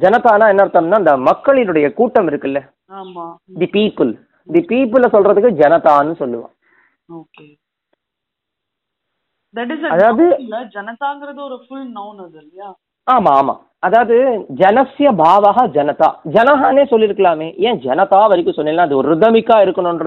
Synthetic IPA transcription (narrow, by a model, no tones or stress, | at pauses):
d͡ʒɐnɐt̪aːnaːɛnːɐɪɾɯt̪aːmnːaːɪnd̪ɐmɐkːɐɭɪnɯɽɐjɐkuːʈːɐmɪɾɯkːɯlːɐ | aːmaː | d̪ipiːpːɯl | d̪ipiːpɯlɐsɔlrɾɐðɯkːɯd͡ʒɐnɐt̪aːnːɯsɔlːɯʋã̰ː | oːkeː | d̪ɐʈ̬ɪzɐɐðaːʋɐðɯlːɐd͡ʒɐnɐt̪aːŋɡɪɾɐðɯɔɾɯfʊlnɐʊnɐðɐlːɪjaː | aːmaːma̰ː | ɐðaːʋɐðɯd͡ʒɐnɐsjɐbʱaːʋaːɣɐd͡ʒɐnɐt̪a̰ːd͡ʒɐnɐɦaːneːsɔlːɪɾɯkːɐɭlaːmeːẽːd͡ʒɐnɐt̪aːʋɐɾɪkːɯ̃sɔnːɪlːnːãːɐðɯɔɾɯðɐmɪkːaːɪɾɯkːɐɳʊ̃nrɐ